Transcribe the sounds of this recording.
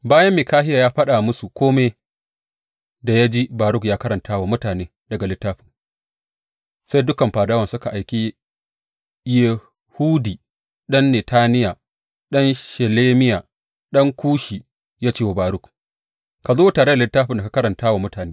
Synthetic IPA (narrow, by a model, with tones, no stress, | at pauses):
baː˦jɐ˦mːiː˨kaː˦hɪ˦jaː˨jaː˦ɸɐ˦ɗa˨mʊ˦su˨kʷʰoː˦me˦ | da˨ja˦d͡ʒi˦baː˨ɾʊ˦kjaː˦kɐ˦ɾɐ˨ntʰaː˦wa˨mʊ˦taː˨neː˦ | dɐ˨ɡa˨lɪ˦tːaː˦ɸɪ˨ | sa˦jdʊ˦kɐ˨mɸaː˨daː˦wɐ˨nsʊ˦ka˨ʔa˨jkʲi˦ | je˨ | huː˦diː˨ | ɗɐ˦nːe˨taː˦nɪ˦ja˨ | ɗɐ˦nʃɛ˨leː˦mɪ˦jaː˨ | ɗɐ˦ŋkʷʰuː˦ʃiː˨ | jaː˦t͡ʃeː˦wa˨baː˨ɾʊ˦k | ka˨zoː˦taː˨ɽe˦da˨lɪ˦tːaː˦ɸɪ˨nda˨ka˨kɐ˦ɾɐ˨ntaː˦wa˨mʊ˦taː˨neː˦